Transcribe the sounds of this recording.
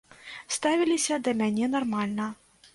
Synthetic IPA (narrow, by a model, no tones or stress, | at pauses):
st̪avʲilʲisʲɐd̪ɐmʲanʲɛnarmalʲnɐ